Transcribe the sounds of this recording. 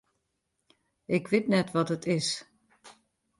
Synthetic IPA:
ʔɪkʋɪtnɛtʋɔtətʰɪs

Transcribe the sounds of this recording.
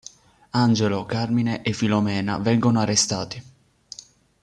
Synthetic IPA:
and͡ʒelokarmineʔefilomɛːna̰vɛŋɡonoarːest̪aːt̪i

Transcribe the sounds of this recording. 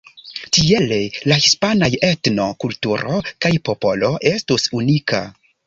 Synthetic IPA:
tiele̞lahispanajetno̞kultuɾo̞kajpo̞po̞lo̞ʔe̞stusunika̰

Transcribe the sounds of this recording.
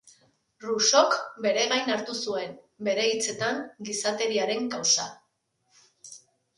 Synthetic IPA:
ruso̞kbe̞ɾe̞ɣajnaɾt̪usue̞n | be̞ɾe̞it͡se̞t̪aŋɡisat̪e̞ɾiaɾe̞ŋkawsa

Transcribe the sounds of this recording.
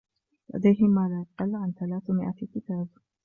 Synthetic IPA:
la̰d̪ajɦɪmalaqɑlːʕant̪alaːθmɪʔakɪt̪aːb

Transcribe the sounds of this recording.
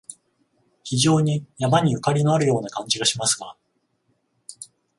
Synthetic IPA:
çiʑo̞ːɲ̟ijamaɲ̟iɯ̟kaɾʲinoaɾɯ̟jo̞ːnakãɲ̟d͡ʑiɡaɕimasɨ̥ɡa

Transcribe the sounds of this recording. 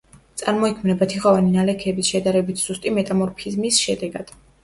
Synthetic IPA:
t̪sʼaɾmɔikʰmnɛbat̪ʰiʁavaninalɛkʰɛːbisʃɛd̪aɾɛbit̪ʰz̥ust̪ʼimɛt̪ʼamɔɾpʰizmisʃɛd̪ɛɡad̪̥

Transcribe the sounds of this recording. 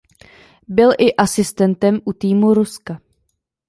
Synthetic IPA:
bɪlʔɪʔasɪst̪ɛnt̪ɛmʔut̪iːmuɾuska

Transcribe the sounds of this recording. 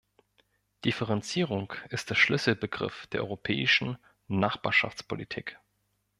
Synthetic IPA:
d̥ifəʁɛnt͡siːʁʊŋkɪst̚d̥eːʃlʏsl̩bəɡʁɪ̰fd̥eːɐʔɔʏʁopʰɛ̰ːɪʃn̩ | naχb̥aːɐʃa̰ft͡spʰolitʰiːk

